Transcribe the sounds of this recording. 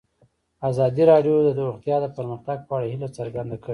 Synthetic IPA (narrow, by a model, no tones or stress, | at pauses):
azɑd̪iɾɑɖjod̪əd̪ɾuxt̪jɑd̪əpəɾməxt̪aɡ̚pəaɽahilat͡səɾɡand̪akəe